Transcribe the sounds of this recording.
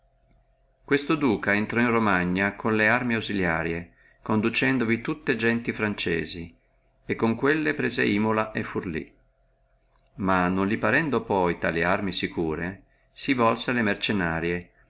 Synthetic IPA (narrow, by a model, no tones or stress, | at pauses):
kwest̪od̪uːkaent̪ɾɔinromaɲːakʰonlearmiawzilja̰ːɾje | kond̪ut͡ʃɛnd̪ovit̪ut̪ːed͡ʒɛnt̪ifɾant͡ʃḛːzi | ekːoŋkwelːepɾeːzḛimolaʔefːurlḭ | manonlipaɾɛnd̪opɔjt̪a̰ːliarmisikuːɾe | sivɔlsealemert͡ʃenaːɾje